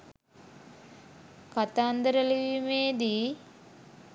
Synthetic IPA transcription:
kat̪aːnd̪əɾəliʋimeːd̪i

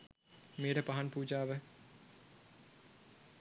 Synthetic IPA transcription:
meːʈəpaɦanpuːd͡ʒaːʋɛ

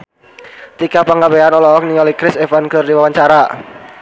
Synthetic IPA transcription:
t̪ikapəŋɡaweanɔlɔɔk̚niŋalikɾɪsɛfankərdiwawaɲt͡ʃaɾa

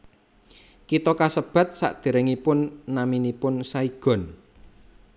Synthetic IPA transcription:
kit̪ɔkasəb̥ä̤t̪̚sa̰ʔd̪̥e̤ɾɛŋipʊnːaminipʊnsaiɡ̥ɔ̤n

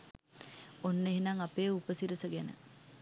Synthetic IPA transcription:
onːeɦinaŋapeːupəsiɾəsəɡænə̰

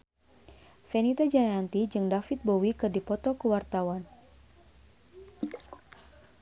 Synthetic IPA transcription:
fɛnit̪ad͡ʒajant̪id͡ʒɨŋdafit̪̚bowikɨrdipɔt̪ɔkuwart̪awan

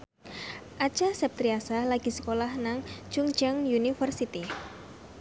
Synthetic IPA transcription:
ʔḁt͡ʃasɛp̚t̪ɾiasalaɡ̥isə̥kolahnaŋt͡ʃuŋ̥d͡ʒaŋjunifərsit̪i

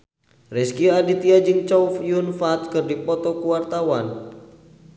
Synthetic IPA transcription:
rɛskiadit̪iad͡ʒɨŋt͡ʃɔufjunfat̪̚kɨrdipɔt̪ɔkuwart̪awan

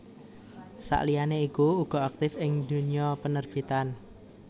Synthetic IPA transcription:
sa̰ʔlijaneikuuɡ̥ɔ̤ak̚t̪ɪfɪŋd̪̥uniɔpənərb̥i̤t̪an

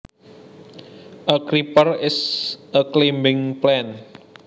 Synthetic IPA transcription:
ʔəkɾipərɪsʔəklembɪŋplɛn

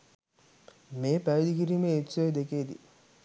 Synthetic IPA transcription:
meːpæʋd̪ikiɾimeːt͡ʃːojd̪ekeːd̪ḭ

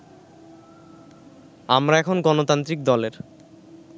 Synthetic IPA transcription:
a̰mɾaɛkʰonɡɔnot̪ant̪ɾikd̪ɔleɾ

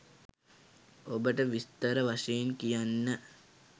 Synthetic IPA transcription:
obəʈəʋist̪əɾəʋaʂeenkijanːə

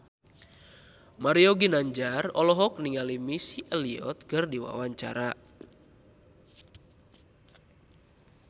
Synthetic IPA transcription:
maɾiɔɡinaɲd͡ʒarɔlɔɦɔk̚niŋalimisiʔɛliɔ̰t̪̚kɨrdiwa̰waɲt͡ʃa̰ɾa

